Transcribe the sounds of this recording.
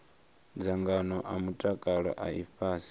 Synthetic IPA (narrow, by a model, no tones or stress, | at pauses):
d͡zaŋɡanɔʔamutʼakʼaɺa̰ʔaiɸaːsi